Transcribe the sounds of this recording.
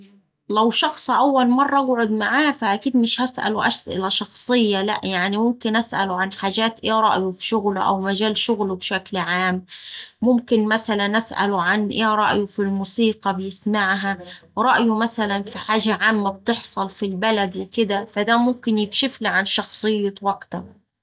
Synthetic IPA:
læwʃɑxsˤʔæwːælmɑrˤːɑʔaɡʕod̪maʕaːfæʔækiːd̪mɪʃhæsʔæ̰luʔæ̰ʃt̪ʔɪ̰læʃɑxsˤɨjːɑlæ̰ʔjaʕnimʊmkɪnʔæsʔæ̰lʊʕanħaːʒæːt̪ʔeːɾˤɑ̰ʔjʊfi̥ʃʊɣlʔæ̰wmæʒæːlʃʊɣlbʃæklʕaːmː | ʊmkɪnmæsælænʔasʔæ̰lʊʕanʔeːɾˤɑ̰ʔjʊfilmuːsiːqɑbɪjɪsmaʕɦæ | ɾˤɑʔjʊmæsælænfiħaːʒaʕaːmːæb̚t̪eħsˤɑlfilbælæd̪wɪkɪd̪æfæd̪æmʊmkɪnjɪkʃɪfliʕanʃɑxsˤɨjːɑwɑɡt̪ɑ

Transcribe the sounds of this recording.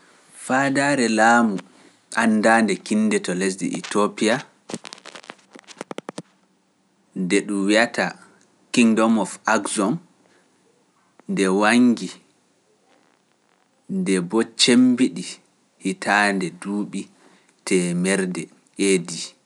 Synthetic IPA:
fadaːɾɛlaːmu | ʔandaːndɛkinːdɛtɔlesdḭʔḭtopija | ndɛɗumwiata | kiŋdɔmɔfaɡzɔm | ndɛwaŋɡi | ndɛbɔt͡ʃembiɗi | hitʰandɛduːɓi | tʰɛmɛɾdɛ | edi

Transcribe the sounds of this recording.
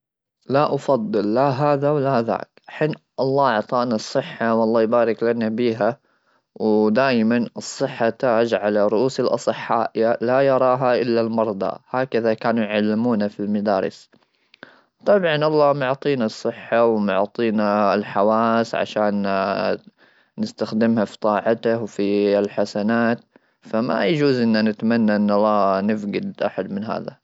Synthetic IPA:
laʔɑfɑd̪ˤːɨlːaɦaːðawlaða̰ːkʔaħiːn | ʔɑlˤːɑːɑʕt̪ˤɑːʔnɑsˤːɨħːawʔɑlˤːɑːjbaːɾɪklanabiːɦa | wd̪aːjmanɨsˤːɨħːat̪aːd͡ʒʕalaɾˤʊʔuːsɪlʔɑ̰sˤɨħːaːʔjalajɑɾˤɑːɦaʔɪlːalmɑɾˤd̪ˤɑ̰haːkaðakaːnujʕalːɪmuːnafilmad̪aːɾɪ̰s | t̪ˤɑbʕɑnʔɑlˤːɑːmʊʕt̪ˤiːnɑsˤːɨħːawmʊʕt̪ˤiːnaɪlħawaːsʕa̰ʃaːn | nɪst̪axd̪ɪmhafi̥t̪ˤɑːʕɑt̪ahwfilħasanaːt̪ | fama̰jad͡ʒuːzʔɪnːanɪt̪manːaʔɪnːɑlˤːɑːnɪfɡɪd̪ʔaħad̪mɪnɦa̰ːða̰

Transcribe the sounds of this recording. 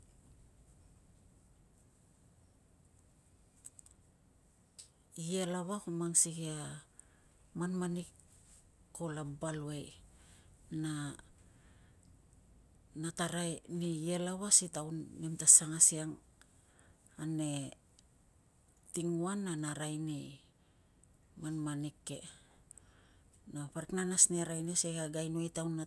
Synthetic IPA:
ielaβahumaŋsiɡia | manmanikː | o̞labaluej | na | nataɾanije̞lawasitawnːemtasaŋasiaŋ | ane̞ | tiŋuanːanaɾajni | manmanikːe̞̰ | napaɾiknanasniɾajneseɡaɡajnuejtawnːa

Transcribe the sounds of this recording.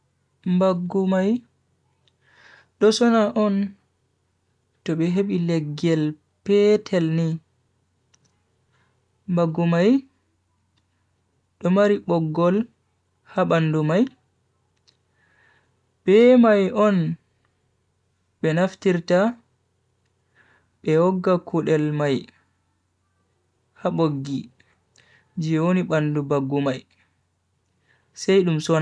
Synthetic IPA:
mbaɡːumaj | ɗɔsɔnaʔɔn | tɔɓɛɦeɓilɛɡːɛl | pɛtʰɛlni | mbaɡːumaj | ɗɔmaɾiɓɔɡːɔl | haɓandumaj | b̥ɛmajʔɔn | ɓɛnaftiɾta | ɓɛwɔɡːakʰuɗɛlmaj | haɓoɡːi | d͡ʒwoniɓandubaɡːumaj | sɛjɗumsɔn

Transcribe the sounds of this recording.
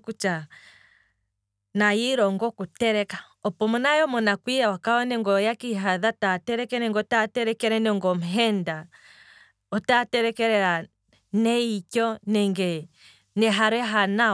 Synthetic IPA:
kut͡ʃa | najiɾɔŋɡɔkutɛɾɛka | ɔpɔmunajɔmɔnakwijawakaɔnɛŋɡɔjakiɦaðatatɛɾɛkɛnɛŋɡɔtatɛɾɛkɛɾɛnɛŋɡɔm̩ɦɛnda | ɔtatɛɾɛkɛɾɛɾa | nɛikɔnɛŋɡɛ | nɛɦaɾɛɦana

